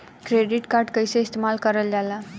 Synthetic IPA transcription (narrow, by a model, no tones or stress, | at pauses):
kɾeɖiʈkaɾɖkəjseist̪emalkəɾəld͡zala